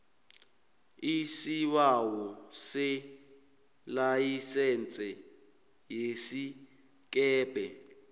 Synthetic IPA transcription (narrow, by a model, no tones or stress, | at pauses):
isiwawɔsɪ | lajisɛnt͡sʼɛ | jesi | kɛːpɛ